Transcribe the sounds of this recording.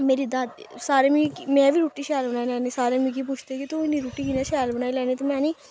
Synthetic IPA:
meːɾiːd̪ad̪ | saːɾeːmĩːkmɛ̃ːʋiːɾuːʈiːʃɛːlbənaːilɛ̃ːneːsaːɾeːmĩːkipʊt͡ʃʰt̪eːkit̪oɪniːɾuːʈiːkineːʃɛːlbənaːilɛ̃ːnẽːt̪eːmɛ̃ːniː

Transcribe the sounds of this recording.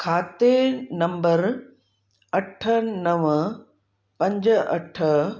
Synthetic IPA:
kʰaːt̪enɐ̃mbəɾ | ɐʈʰənɐʋ | pɐ̃ɲd͡ʑɐ̰ʈʰə

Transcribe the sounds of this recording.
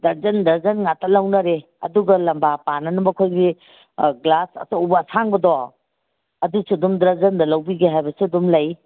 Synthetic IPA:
dɐzɐndɐzɐnŋatɐlɐwnɐɾe | ɐ̰duɡɐlɐmbapanɐnubɐkʰojɡi | ɡlasɐ̰soubɐsʰaŋbɐdɔ | ɐdusudumdɾɐzɐndɐlɐwbiɡeɦajbɐsedumlɐj

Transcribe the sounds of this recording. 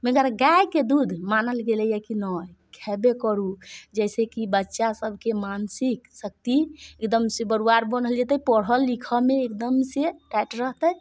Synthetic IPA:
meɡəɾɡajked̪ud̪ʱmanəlɡelɛjɛkinɔjkʰɛbekəɾud͡ʒɛsekibətːʃasəbʱkemansiksək̚t̪iekd̪əmsebəɾuaɾbənɦəld͡ʒet̪əpəɽ̤əlːikʰəmeːkd̪əmseʈɛʈɾəɦt̪əj

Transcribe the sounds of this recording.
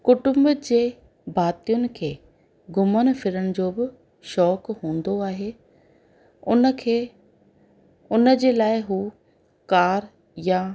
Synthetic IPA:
kʊʈʊmbd͡ʑeː | bʱaːt̪ijʊnɪ̆kʰeː | ɡʊməñfɪɾəɽ̃ɪ̆d͡ʑoːbɪ | ʃɔːkɦũːn̆d̪oaːɦeː | ʊnəkʰe | ʊnə̆d͡ʑeːlaːɪɦuː | kaːɾ | ja

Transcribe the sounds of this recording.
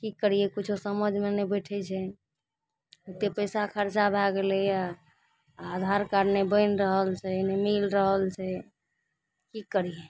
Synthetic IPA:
kikːəɾ̤ijɛkut͡ʃʰosəməd͡ʒʱmenebəʈʰɛt͡ʃʰɛ | ukt̪epəɪsakʰəɾt͡ʃabʱaɡelejaː | d̪ʱaɾkaɾnebəɪnɾəɦəlt͡ʃʰɛnemilɾəɦəlt͡ʃʰɛ | kikːəɾije

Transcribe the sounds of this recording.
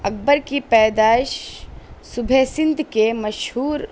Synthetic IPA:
ɐk̚bəɾkipɛːd̪aːʃ | subʱeːsɪnd̪ʱkemɐʃɦuːɾ

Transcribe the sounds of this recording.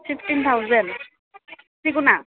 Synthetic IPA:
fʰifʰʈint̪ʰawzɛn | sikuna

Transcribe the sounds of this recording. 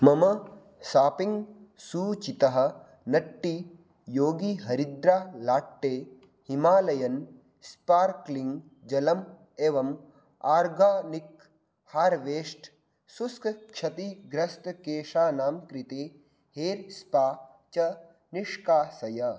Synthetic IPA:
mɐmɐ | saːpiŋɡsuːt͡ʃit̪ɐɦɐ̆ | nɐʈːi | joːɡiɦɐɾid̪ɾaːlaːʈːeː | himaːlɐjɐn | spaːɾkliŋɡ | d͡ʒɐlɐm | eːʋɐm | aːɾɡaːnik | haːɾʋeːʂʈ | suskʰkʃʰɐt̪iɡɾɐst̪keːʃaːnaːmkɾit̪eː | heːɾspaː | t͡ʃɐ | niʂkaːsɐjɐ

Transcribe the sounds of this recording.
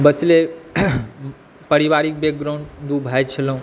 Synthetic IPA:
bət͡ʃle | pəɾiʋaɾik̚bek̚ɡɾoɳd̪ubʱajt͡ʃʰələ̃ũ

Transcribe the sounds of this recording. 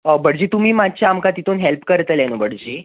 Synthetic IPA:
əbəɽd͡ʑiːt̪um̤iːmad̪t͡ɕjaːmkat̪it̪ʰuːnɦelpkəɾt̪əlɛnobəɽd͡ʑiː

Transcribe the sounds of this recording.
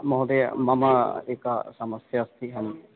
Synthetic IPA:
mɐɦd̪emɐmaeːkasɐməsjaːst̪ʰiɦɐm

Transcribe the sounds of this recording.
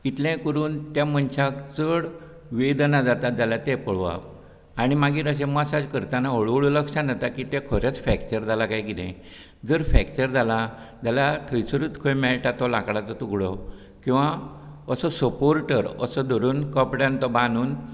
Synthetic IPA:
it̪lɛ̃kəɾuːnt̪jamənɕakt͡səɽ | ʋed̪nad͡zat̪ad͡zalat̪epəɭʋa̰p | aɽ̃imaɡiːɾəɕ̬ɛ̃məsad͡ʑkəɾt̪anaɦəɭuɭləkʂanat̪akit̪ekʰəɾjat͡sfɛkt͡ɕəɾd͡zʱalakajkid̪ḛ̃ | d͡zəɾfɛkt͡ɕəɾd͡zʱala | d͡ʑalat̪ʰəjsəɾuːt̪kʰəjmɛɭʈat̪ɔlakɽat͡sɔt̪uɡɭɔ | kĩw̃ʋaəsɔsəpoɾʈəɾə̰sɔd̪ɔɾuːnkəpɽjãnt̪ɔbanuːn

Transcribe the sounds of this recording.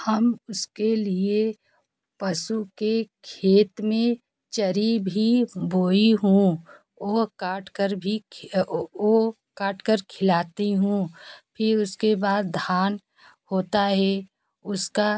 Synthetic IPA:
həmʊskelie | pɐsukekʰeːt̪mẽ | t͡ʃəɾibʱiboːiɦũ | oːkaːʈʰkəɾbʱi | o | kaːʈʰkəɾkʰɪlaːt̪iɦũpʰɪɾʊskebaːd̪ːʱaːn | hoːt̪aɦɛ | ʊska

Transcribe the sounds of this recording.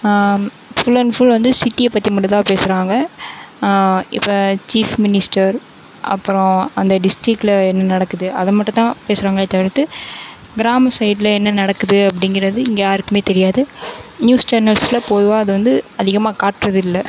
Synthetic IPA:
fʊlɐnfʊlʋɐnd̪ɯsɪʈːijepːɐt̪ːimɐʈːɐt̪ãːpeːsɯɾaːŋɡɐ | ɪ̰pːot͡ʃiːfmɪnɪsʈɐɾ | ʔɐ̰pːɯɾɔ̃ɐnd̪ɐɖɪsʈɾɪkːlɐɛnːɐnɐɽɐkːɯðɯɐðɐmɐʈːɯ̃t̪ãːpeːsɾaːŋɡɐeːt̪ːɐʋɾɯt̪ːɯ | ɡɪɾaːmɐsɐɪʈlɐɛnːɐnɐɽɐkːɯðɯɐpːɐɽɪŋɡɪɾɐðɯɪŋɡeaːɪɾɯkːɯmeːt̪ɛɾɪjaːðɯnjuːst͡ʃɐɾnɐlslɐpoːðɯʋaːɐðɯʋɐnd̪ɯɐðɪɣɐmaːkaːʈɾɐðɯɪlːɐ

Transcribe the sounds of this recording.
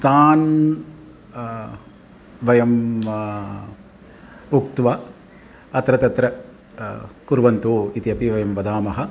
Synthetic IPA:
t̪aːn | ʋɐjɐm | ukt̪ʋɐ | ɐt̪ɾɐt̪ɐt̪ɾɐ | kuɾʋɐnt̪uit̪iɐpiʋɐjɐmʋɐd̪aːmɐɦɐ̆

